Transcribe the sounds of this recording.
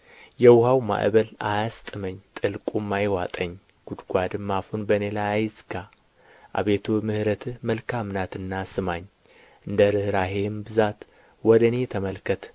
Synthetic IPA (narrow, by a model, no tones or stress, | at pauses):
jɛwhawma̰ʔβəlajast̪ʼɨməɲːt̪ʼɨlkʼumːajwat̪ʼəɲː | ɡ̥ud̪ɡʷad̪ɨmːafunbənelajajɪzɡa | ʔa̰βet̪ʰomɨhɾət̪ʰɨməlkʰamnat̪ɨnːasɨmaɲ | ʔɨnd̪əɾɨhɾaɦembɨzat̪ | wɔd̪ənet̪ʰəməlkʰət̪ʰ